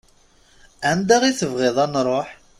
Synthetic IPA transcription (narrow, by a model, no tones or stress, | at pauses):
ʕənd̪aʁiθəvʁeðˤɑnɾˤoħ